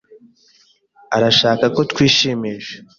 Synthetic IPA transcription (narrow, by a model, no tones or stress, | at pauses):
aɾaʃaːkako̞tkwiːʃiːmiʒe